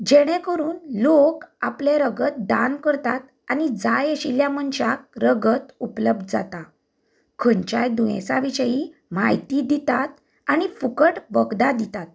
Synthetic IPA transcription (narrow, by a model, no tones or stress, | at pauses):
d͡ʑeɽ̃ẽkəɾuːnlokapleɾəɡət̪̚d̪ankəɾt̪at̪ | anid͡zajeɕiljaməɳɕak̚ɾəɡət̪upləb̚d̪d͡za̰t̪a | kʰənt͡ɕajd̪ujḛ̃saʋiɕəjimajt̪id̪it̪at̪̚ | añifukəʈʋəɡd̪ad̪it̪at̪